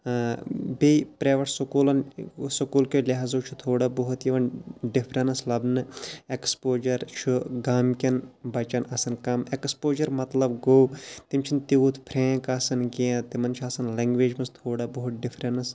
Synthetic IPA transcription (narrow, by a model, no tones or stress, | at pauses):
bepɾeːʋɐʈsukuːlɐnsukuːlkolʲɐɦazoːt͡ʃʰut̪ʰoːɽaboɦut̪jiʋɐnɖipʰɾɐnɐslɐbnɨekspoːd͡ʒɐɾt͡ʃʰuɡaːmkʲɐnbɐt͡ʃɐnɐsɐnkɐmekspoːd͡ʒɐɾmɐt̪lɐbɡoːwt̪imt͡ʃʰint̪iut̪ʰpʰɾẽːkasɐnɡeãt̪imɐnt͡ʃʰaːsɐnleŋɡʋeːd͡ʒmɐst̪ʰoːɽabɐɦut̪̚ɖipʰɾɐnɐs